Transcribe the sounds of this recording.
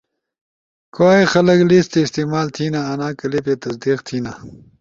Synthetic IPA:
kwaːixɐlɐklist̪eːst̪imaːlt̪ʰiːnaɐnaːkɐlipjet̪ɐsd̪iːqt̪ʰiːna

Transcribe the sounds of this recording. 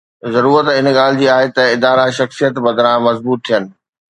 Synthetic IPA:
zɐɾuːɾət̪ɪnɠaːl̤ɪd͡ʑiːaːɦet̪ɐɪd̪aːɾaʃɐxsijət̪bɐd̪ɾãmɐzbuːt̪ʰːijənɪ̆

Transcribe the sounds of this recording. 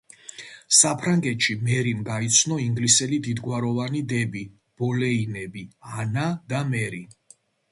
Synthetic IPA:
sapʰɾaŋɡɛt̪ʃimɛɾimɡait̪sʰnɔiŋɡlisɛlid̪id̪ɡwaɾɔvanid̪ɛbi | b̥ɔlɛinɛbianad̪amɛɾi

